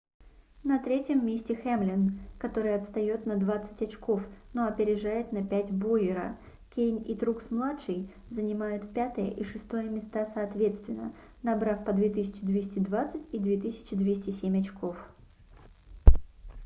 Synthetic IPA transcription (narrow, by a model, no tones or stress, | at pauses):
nɐt̪ɾʲetʲjəmːʲesʲtʲɪxemlʲɪnkɐt̪o̞ɾɨjɐt̪st̪ɐjo̞t̪nɐd̪vat̪sɨ̥tʲɐt͡ɕko̞fno̞ɐpʲɪɾʲɪʐajɪt̪nɐpʲætʲbo̞jɪɾə̰ | kʲejnʲit̪ɾuksmlˠatʂɨj | zənʲɪmajʊt̪pʲat̪əjə̰ʔiʂɨst̪o̞jəmʲɪst̪asɐːt̪vʲe̞t̪st̪vʲɪnːə̰ | nɐbɾafpəd̪vʲet̪ɨsʲɪ̥t͡ɕɪd̪vʲesʲtʲɪd̪vat̪sɨtʲid̪vʲet̪ɨsʲɪ̥t͡ɕɪd̪vʲesʲtʲɪsʲemʲɐt͡ɕkʰo̞f